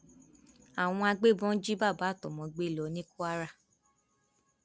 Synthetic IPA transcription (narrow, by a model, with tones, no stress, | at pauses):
a˨w̃ɔ̃˧a˧ɡ͡be˦˨bɔ̃˦d͡ʒi˦ba˦˨baː˨˦˨tɔ˨mɔ̃˧ɡ͡be˦˨lɔ˧˦nĩ˦ku˦a˦ɾa˦˨